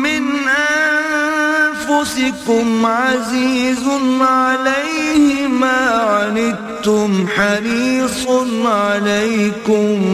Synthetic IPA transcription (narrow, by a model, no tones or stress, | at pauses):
mɪnʔanfʊsɪkʊmʕaziːznʕalajhɪmaːʕaɾɪd̪̚ | t̪ʊmħaɾiːsˤnʕalajkʊm